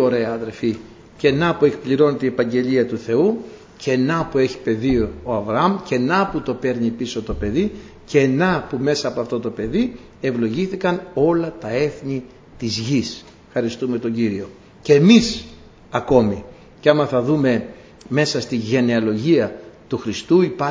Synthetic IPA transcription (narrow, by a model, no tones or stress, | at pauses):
oɾe̞ɐɐðe̞ɾfi | ce̞nɐpue̞kpliɾo̞net̪eiepɐɲɟe̞ʎiɐt̪uθe̞u | cenɐpue̞çi̥pe̞ðiooɐvɾɐɐmce̞nɐput̪o̞pe̞ɾnipiso̞t̪o̞pe̞ðiceːnɐpume̞sɐːpoɐft̪ot̪o̞pe̞ði | e̞vlo̞ʝiθikɐno̞lɐt̪ɐe̞θɲi | t̪izʝis | fxɐɾist̪ume̞t̪o̞ɲɟiɾio̞ | ceːmis | ɐko̞mi | ceɐmɐθɐðume̞ | me̞sɐst̪iʝe̞ne̞ɐlo̞ʝiɐt̪uxɾist̪uipɐ